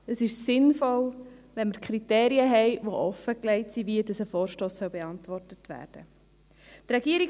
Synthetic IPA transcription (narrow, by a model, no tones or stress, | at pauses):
əsɪʃsɪnfɔlʋɛnməɾkχɾiteːɾiəɦɛɪʋoʔɔfəklɛɪtsiviədɑsəfɔːɾʃtoːsːœʊbeɑntvɔrtətʋæ̰ːɾd̥ə | t̪ɾɛɡiːəɾik